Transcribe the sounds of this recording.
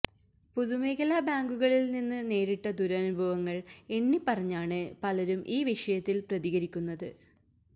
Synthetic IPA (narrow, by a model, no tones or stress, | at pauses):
puðumeːɣɐlabaːŋɡuɣɐɭilninːɨne̞ːɾiʈːɐd̪uɾɐnubʱɐʋɐŋːɐɭe̞ɳːipːɐrɐɲːaːɳɨpɐlɐɾumʔiːʋiʂɐjɐt̪ːilprɐðiɣɐɾikʲːunːɐðɨ